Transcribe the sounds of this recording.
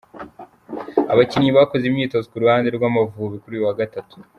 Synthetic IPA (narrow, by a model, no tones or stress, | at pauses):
a̰βacinɲiβakozimɲiːto̞zokuɾuhaːndeɾɡwamavuːβikuɾuːjuwaɡatatu̥